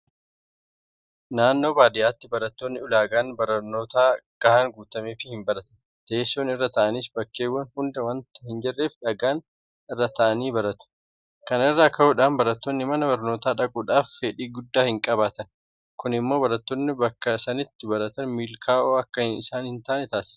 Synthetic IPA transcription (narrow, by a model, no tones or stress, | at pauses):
naːnːo̞ːbaːd̪ɪjaːt̪ːɪbɐɾɐt̪ːoːnːɪʊlaːɡaːnbɐɾɐnːo̞ːt̪aːɡ̥ɐhaːŋɡuːt̪ɐmeːfɪhɪmbɐɾɐt̪ɐ̥ | t̪eːsːoːnɪrːɐt̪ɐʔɐniːsbɐkːe̞ːwːɐnhʊnd̪ɐwɐnt̪ɐhɪnd͡ʒɛrːe̞ːfᶑɐɡaːn | ɪrːɐt̪ʰɐʔɐniːbɐɾɐt̪ʊ̥ | kɐnɪrːaːkɐhʊᶑaːnbɐɾɐt̪ːoːnːɪmɐnɐbɐɾno̞ːt̪aːᶑɐkʼʊᶑaːfːeᶑiːɡʊd̪ːaːhɪŋkʼɐβaːt̪ɐn | kʊnɪmːo̞ːbɐɾɐt̪ːoːnːɪbɐkːɐsɐnɪt̪ːɪbɐɾɐt̪ɐnmiːlkʰaːʔoːɐkːɐɪsaːnhɪnt̪aʔɐnɛt̪aːsɪ̥s